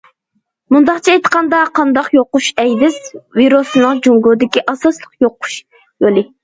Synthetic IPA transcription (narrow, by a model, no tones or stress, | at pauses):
mund̪ɑqt͡ʃʰɛet̪ə̥qɑnd̪ɑqʰɑnd̪ɑqjoqʊʃɛjd̪ɪzviɾosɨnɨŋd͡ʒoŋɡod̪ɪkʲiʔɑsɑslˠəqjoqʊ̥ʃ | jolˠɨ